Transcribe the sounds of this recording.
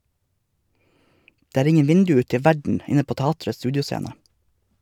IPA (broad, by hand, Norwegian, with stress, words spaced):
ˈdeː ˈæːɾ ˈɪŋən ˈʋɪndʉ ˈʉːt ˈtɛ ˈʋæɖɳ̩ ˈɪnə ˈpoː ˈtɑːtɾəs ˈstʉːdɪʊˌseːnə